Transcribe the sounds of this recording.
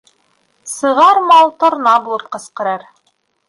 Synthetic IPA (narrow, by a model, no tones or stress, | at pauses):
sɤ̆ʁɑɾmɑlˠt̪ŏɾnɑbulˠɤp̚qɤ̆sqɤ̆ɾɑɾ